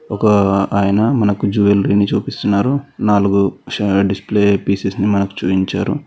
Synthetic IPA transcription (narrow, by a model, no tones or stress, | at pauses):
ɔkɐaːjɐnɐmɐnɐkud͡ʒuːʋelɾiːnit͡ʃuːpist̪unːaːɾunaːluɡuɖispleːpiːsesnimɐnɐku̥t͡ʃuːiɲt͡ʃaːɾṵ